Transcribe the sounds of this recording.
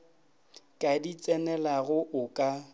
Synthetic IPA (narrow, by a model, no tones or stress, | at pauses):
kʼadit͡sʼɛnɛlaɣʊʔʊkʼa